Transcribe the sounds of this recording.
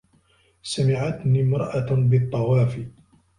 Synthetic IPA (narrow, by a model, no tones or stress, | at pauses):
samɪʕat̪niːmɾˤɑʔabɨt̪ˤːɑwaːfi